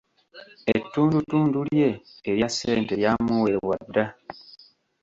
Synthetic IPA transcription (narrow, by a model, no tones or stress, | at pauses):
etːuːndutuːndulje̞ːɾjasḛːnte̞jamuwe̞βwadːa